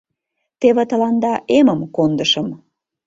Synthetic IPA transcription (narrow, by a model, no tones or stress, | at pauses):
t̪eβet̪əlɑnd̪ɑʔeməmkond̪əʃəm